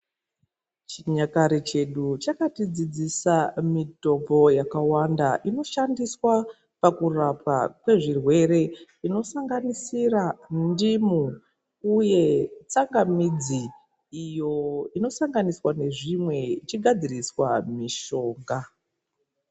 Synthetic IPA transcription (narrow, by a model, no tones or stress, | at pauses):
t͡ʃiɲakaɾet͡ʃe̞ɗut͡ʃakatid͡zid͡zisamito̞po̞jakawandaʔino̞ʃandiswa | pakurapa̰kwe̞ʐirwe̞ɾe̞ | ino̞saŋɡanisirandimu | uje̞t͡saŋɡamid͡zi | ijo̞ino̞saŋɡaniswane̞ʐimwe̞it͡ʃiɡʱad͡ziriswamiʃo̞ːŋɡa